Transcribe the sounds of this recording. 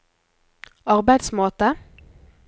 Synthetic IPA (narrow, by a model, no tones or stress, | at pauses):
ɑʁbæɪd̪smoːt̪ə